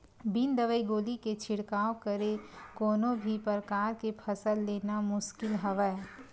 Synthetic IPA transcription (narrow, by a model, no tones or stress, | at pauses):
bind̪əʋəiɡoːliket͡ʃʰɪɽkaːokəɾekoːnõbʱipəɾkaːɾkepʰɐsəlːeːnamʊʃkɪlɦəʋə